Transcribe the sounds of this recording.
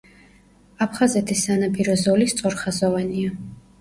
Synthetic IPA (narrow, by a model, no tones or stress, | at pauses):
apʰχazɛt̪ʰisːanapʰiɾɔzɔlist̪sʼɔɾχazɔvania